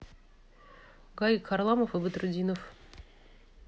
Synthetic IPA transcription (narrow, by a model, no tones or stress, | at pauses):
ɡaikʰɐrlˠaməfɨbɨt̪ɾʊdʲinəf